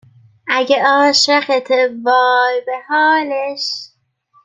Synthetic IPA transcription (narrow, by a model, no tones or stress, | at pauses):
ʔæɡeɒːʃɾæxet̪ʰevɒːjbehɒːleʃ